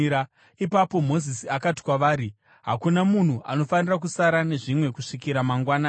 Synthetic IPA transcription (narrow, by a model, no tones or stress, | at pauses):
a | ipapo̞mo̞zisiakati̥kwaʋaːɾi | ɦa̰kunamun̤uʔa̰no̞fanirak̬usaɾane̞ʐimwe̞kuʂikiɾamaŋɡwana